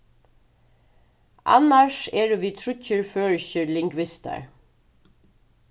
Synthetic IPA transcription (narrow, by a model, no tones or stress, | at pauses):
ʔɑ̰næʃeːɹʋiːt̪ʰɹʏcəɹføːɹçəlɪŋɡʋɪst̪ə̰ɹ